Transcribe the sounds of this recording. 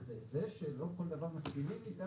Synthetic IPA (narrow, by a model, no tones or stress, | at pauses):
zezeʃelo̞ko̞ld̪avaʁmaskimimit̪a